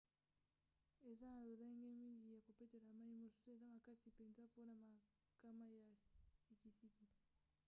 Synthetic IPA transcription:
e˨za˦na˨lo˨za˦ŋɡɛ˦mi˦li˨ja˨ko˨pe˦te˨la˨ma˦i˦˨mo˨su̥˦so˦e˨za˦ma˨ka˦si˨pɛ˨nza˦po˦na˨ma˨ | ka˦ma˦ja˨si˨ki˨si˦ki˨

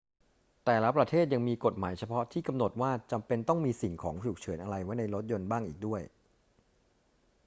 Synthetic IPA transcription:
t̪ɛː˨˩la˦pɾa˧t̪ʰeː˥˩t̪̚ja˧ŋmiː˧ko˨˩t̪̚ma̰ː˩˦jt͡ɕʰa˧pʰɔ˦˥t̪ʰiː˥˩ka˧mno˨˩t̪̚waː˥˩t͡ɕa˧mpe˧nt̪ɔ˥˩ŋmiː˧si˨˩ŋkʰɔ̰ː˩˦ŋpʰu˨˩k̚t͡ɕʰɤː˩˦nʔa˧ɾa˧jwa˦˥jna˧jɾo˦˥t̪̚jo˧nbaː˥˩ŋʔiː˨˩k̚du˥˩əj

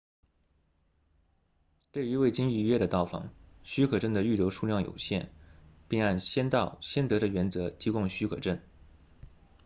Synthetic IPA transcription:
t̪we˥˩y˧˥we˥˩ɪt͡ɕi˥ŋy˥˧ɥɛ˥d̪ə˨t̪ɑ˥˩ʊfɑ̰˧˥ŋɕy˥kʰɤ˨˩ʈ͡ʂə˥˩nd̪ə˩y˥˩ljo˧˥ʊʂu˥˧ljɑ˥˩ŋjo̰˨˩ʊɕjɛ̰˥˩npi˥˧ŋa˥˩nɕjɛ˥nt̪ɑ˥˩ʊɕjɛ˥nt̪ɤ˧˥ɾə˧ɥɛ˧˥nt͡sɤ˧˥t̪ʰi˧˥kʊ˥˧ŋɕy˥kʰɤ̰˨˩ʈ͡ʂə˥˩n

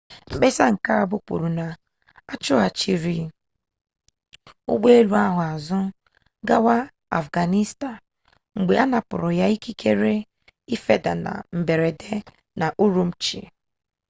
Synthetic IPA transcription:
ŋ͡m̩˨ɡ͡be˦sa˦ŋ̩˨ka˦a˨bʊ˦k͡pṵ˨ɾu˨na˨ | a˦t͡ʃʊ˦a˨t͡ʃi˦ɾi˨˦ | ʊ̰˦ɡ͡be˦e˦lu˨a˦ɦʊ˨a˨zʊ˦ | ɡa˦wa˦ | a̰˨fɡa˨ni˦sta˨n | ŋ͡m̩˨ɡ͡be˨a˦na˨pʊ̰˨ɾʊ˨ja˦i˦ki˦ke˦ɾe˦ | i˦fe˦da˨na̰˨m̩˨be˨ɾe˨de˦ | na˨ʔu˦ɾu˦m̩˦t͡ʃḭ˨

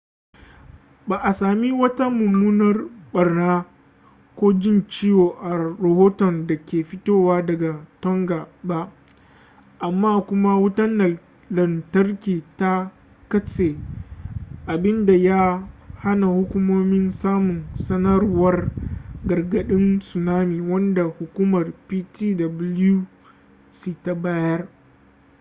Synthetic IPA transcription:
baː˨ʔa˨saː˨mi˦wɐ˦ta˦mʊ˨muː˦nɐ˦rɓɐ˨rnaː˦ | kʷoː˦d͡ʒɪ˦nt͡ʃi˦joː˨ʔa˨ɾɐ˨hoː˦tɔ˨nda˨kʲeː˨ɸɪ˦toː˦waː˦dɐ˨ɡa˨tɔ˦ŋɡaː˨ba˦ʔ | ʔa˨mːaː˦˨kʷʊ˦ma˦wʊ˦tɐ˦nːɐ˨ | lɐ˨ntɐ˦rkʲiː˨ta˦ | kɐ˦t͡ʃeː˨ | ʔa˨bɪ˦nda˨ja˦ha˦na˨hʊ˦kʷʊ˦moː˦mɪ˦nsaː˦mʊ˨nsɐ˦nɐ˦ɾwɐ˦rɡɐ˨rɡɐ˨ɗɪ˦nsʊ˨naː˦miː˨wɐ˦nda˨hʊ˨kʷuː˦mɐ˨rpiː˦tiː˦dɐ˨blu˦ | si˦ta˨baː˦jɐ˦r

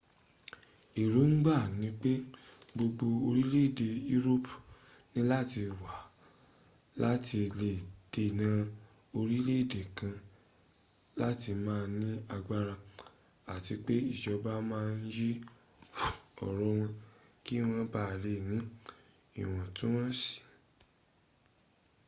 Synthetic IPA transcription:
i˨ɾu˨˦n̩˦ɡ͡ba˦˨nĩ˦k͡pe˦bo˧ɡ͡bo˧o˧ɾi˦le˦˨de˧u˦ɾo˦p | nĩ˦la˦ti˧wa˨ | la˦ti˧le˨d̥e˧˨nã˨˦ | o˧ɾi˦le˦˨de˨kã˧ | la˦ti˧mãː˦˧˦nĩ˦a˧ɡ͡ba˧ɾa˧ | a˨ti˧k͡pe˦i˦˨ʃɔ˧ba˦mãː˦˧n̩˦ji˦˨ | ɔ̰˨ɾɔ˧w̃ɔ̃˧ki˦˨w̃ɔ̃˧ba˦˨le˨˦˨nĩ˨˦ | ḭ˨w̃ɔ̃˨tũ˦wɔ̃˦si̥˨

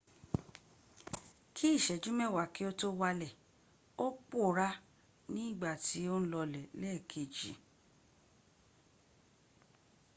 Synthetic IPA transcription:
kʰi˦i˦˨ʃɛ˨d͡ʒũ˦mɛ̃˦˨wa˨ki˦o˦to˦wa˧lɛ˨ | o˦k͡po˦˨ɾa˦ | nĩ˦i˦˨ɡ͡ba˦˨ti˨˦o˦n̩˦lɔ˧lɛ˨lɛː˦˨kʰe˨d͡ʒḭ˨

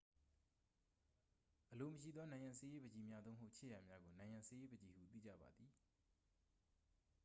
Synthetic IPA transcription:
ʔəlo˨məʃḭ˦˨d̪ɔ˦nã˨ã˨se˦je˦bə˨d͡ʑi˨mja˦d̪õ˦˨mɦo˦ʊʔt͡ɕʰḛ˦˨ja˨mja˦ɡo˨nã˨ɪ̃ã˨se˦je˦bə˨d͡ʑi˨hṵ˦˨t̪̬ḭ˦˨d͡ʑä̰˦˨ba̰˨d̪ði˨

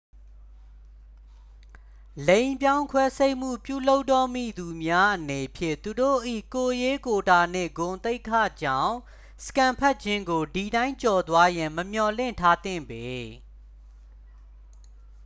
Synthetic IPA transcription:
lẽ˦ɪ̃mpjã˦ʊ̃ŋkʰwɛ˦se˦ɪʔm̥ṵ˦˨pjṵ˦˨lo˦ʊtːɔ˦˨mḭ˦˨d̪u˨mja˦ʔəne˨pʰjɪ̰̃˦˨t̪u˨do̰˦˨ʔḭ˦˨ko˨je˦ko˨ta˨n̥ɪ̰̃˦˨ɡʊ̃˨nt̪e˦ɪkʰa̰˦˨d͡ʑã˦˨ʊ̃ | sə̥kã˨mpʰɛ˦t̚t͡ɕʰɪ̃˦ŋɡo˨di˨ɾã˦ɪ̃ɲt͡ɕɔ˨t̪wa˦jã˨məm̥jɔ˨lɪ̰̃˦˨ntʰa˦t̪ɪ̰̃˦˨mbe˨

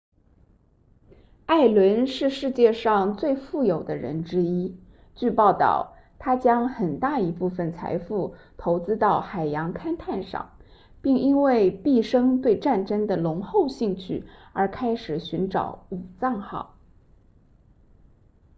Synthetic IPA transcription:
a˥˩ɪlwə˧˥nʂɻ̩˥˧ʂɻ̩˥˧t͡ɕjɛ˥˧ʂɑ˥˧ŋt͡swe˥˧ɪfu˥˩jo˨˩ʊd̪ə˦ɻə̰˧˥nʈ͡ʂɻ̩˥i˥ | t͡ɕy˥˧pɑ˥˧ʊt̪ɑ̰˥˩ʊ | t̪ʰa˥t͡ɕjɑ˥ŋxə˨˩nt̪a˥˩i˧˥pu˥˩fə˨˩nt͡sʰa̰˧˥ɪfu˥˩ | t̪ʰo˧˥ʊt͡sɹ̩˥t̪ɑ˥˩ʊxa˨˩ɪjɑ˧˥ŋkʰa˥nt̪ʰa˥˧nʂɑ̰˥˩ŋ | pi˥˩ŋi˥nwe˥˧ɪpi˥˩ʂɤ˥ŋt̪we˥˧ɪʈ͡ʂa˥˩nʈ͡ʂə˥ŋd̪ə˨lʊ˧˥ŋxo˥˧ʊɕi˥˧ŋt͡ɕʰy̰˥˩ə˞˧˥kʰa˥ɪʂɻ̩˨˩ɕy˧˥nʈ͡ʂɑ̰˨˩˥ʊu˨˩t͡sɑ˥˧ŋxɑ̰˥˩ʊ

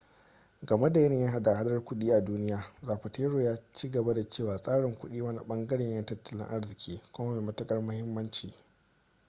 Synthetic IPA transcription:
ɡɐ˨me˦da˨jɐ˦nɪ˨ja˦ɦa˦da˨ha˦dɐ˦rkʷʊ˦ɗiː˦ʔa˨duː˦nɪ˦jaː˨zaː˨ɸa˨tʰeː˦ɽoː˨jaː˦t͡ʃiː˦ɡɐ˨ba˦da˨t͡ʃeː˦˨waː˨sʼaː˦ɽɪ˨ŋkʷʊ˦ɗiː˦wɐ˦nḭ˨ɓɐ˦ŋɡɐ˦ɽɛ˨ɲjɐ˦ntɐ˦tːɐ˨lɪ̰˦ŋʔa˦ɽzɪ˨kʲʰiː˦kʷʊ˦ma˦meː˨mɐ˦tɐ˦kʼɐ˦rmʊ˦hɪ˦mːɐ˦nt͡ʃiː˨

